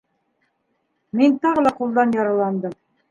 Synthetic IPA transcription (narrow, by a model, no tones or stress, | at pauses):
mint̪ɑʁɤlˠɑqulˠd̪ɑnjɑɾɑlˠɑnd̪ɤm